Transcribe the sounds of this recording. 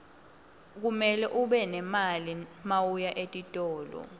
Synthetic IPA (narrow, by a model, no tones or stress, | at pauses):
k̬umɛlɛʔuɓɛnɛmalimawujaʔetʼitʼɔːlɔ̰